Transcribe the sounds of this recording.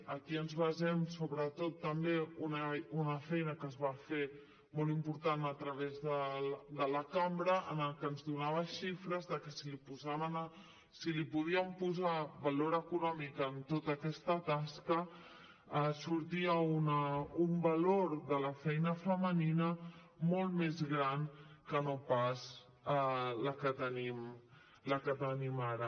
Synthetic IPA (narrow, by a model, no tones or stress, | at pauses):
əkiənzβəzɛmsoβɾət̪ot̪ːəmbeununəfɛjnəkəzβafe | molˠimpuɾt̪anət̪ɾəβ̞ezðəd̪ələkambɾəʔənəlˠkənzðunaβ̞əʃifɾəzðəkəsilipuzaβən | silipuðiəmpuzaβɐloɾəkunɔmikənt̪ot̪əkɛst̪ət̪askə | əsuɾt̪iəunəumbəloɾðələfɛjnəfəməninə | molˠt̪mezɣɾankənopas | ələkət̪ənim | ləkət̪ənimaɾə